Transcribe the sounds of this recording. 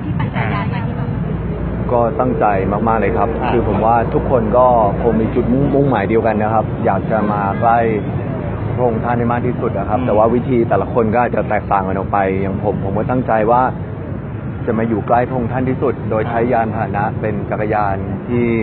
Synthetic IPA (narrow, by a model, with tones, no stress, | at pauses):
ʔaː˨˩˧ | kɔː˥˩t̪a˥˩ŋt͡ɕa˧jmaː˥˩k̚maː˥˩k̚lɤː˧jkʰa˦˥p̚kʰɯː˧pʰo˩˦mwaː˥˩t̪ʰu˦˥kʰːo˧nkɔː˥˩kʰo˧ŋmiː˧t͡ɕu˨˩t̪̚m˥˩ŋmu˥˩ŋmaː˨˩˦jdi˧əwka˧nːa˦˥kʰa˦˥p̚jaː˨˩k̚t͡ɕa˨˩maː˧kla˥˩j | pʰo˧ŋt̪ʰa˥˩nda˥˩maː˥˩k̚t̪ʰiː˥˩su˨˩t̪̚ʔa˨˩kʰa˦˥p̚t̪ɛː˨˩waː˥˩wi˦˥t̪ʰiː˧t̪ɛː˨˩la˦˥kʰo˧nkɔː˥˩ʔa˨˩t͡ɕa˨˩t̪ɛː˨˩k̚t̪aː˨˩ŋʔa˧nʔɔː˨˩k̚pa˧jːa˨˩˦ŋpʰo˩˦mpʰo˨˩˦mkɔː˥˩t̪a˥˩ŋt͡ɕa˧jwaː˥˩ | t͡ɕa˨˩maː˧juː˨˩kla˥˩jpʰo˧ŋt̪ʰa˥˩nt̪ʰiː˥˩su˨˩t̪̚doː˧jt͡ɕʰa˦˥jːaː˧nt̪ʰaː˨˩˦na˦˥pe˧nt͡ɕa˨˩ka˧jaː˧nt̪ʰiː˥˩